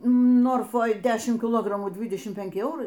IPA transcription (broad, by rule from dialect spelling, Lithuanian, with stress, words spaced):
ˈnoːrfoːj ˈdʲæːʃʲɪm kʲɪˈlˠoːɡrɐmuː ˈdʲʋʲiːdʲɛʃʲɪm pʲɛˈŋʲkʲɪ ˈɛʊrɐɪ